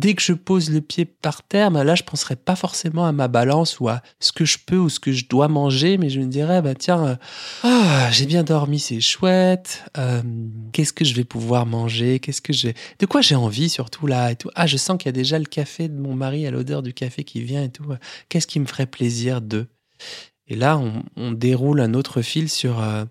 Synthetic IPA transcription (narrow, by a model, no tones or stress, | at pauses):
d̪ɛkəʒəpozləpjepaʁt̪ɛːʁbɛ̃laʒəpɑ̃sʁɛpafɔʁsemɑ̃amabalɑ̃sua | sə̥kəʒəpøusə̥kəʒəd̪wamɑ̃ʒemɛʒəməd̪iʁɛbɛ̃t̪jɛ̃øaʒebjɛ̃d̪ɔʁmisɛʃwɛt̪ømkʲɛskəʒəvɛpuvwaʁmɑ̃ʒekʲɛskəʒəvɛd̪̥əkwaʒeɑ̃visyʁt̪ʰulaet̪uʔaʒəsɑ̃klijad̪eʒaləkafed̪əmɔ̃maʁialʔo̰d̪œ̰ʁd̪ykafekʲivjɛ̃et̪ukʲɛskʲiməfəʁɛpleziːʁd̪ə | elaɔ̃ːd̪eʁulɛ̃not̪χəfilsyʁø